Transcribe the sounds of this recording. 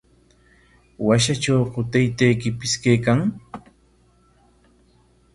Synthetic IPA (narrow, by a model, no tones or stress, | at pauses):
waʃat͡ʃawɢʊt̪ajt̪ajkɪpɪskajkaŋ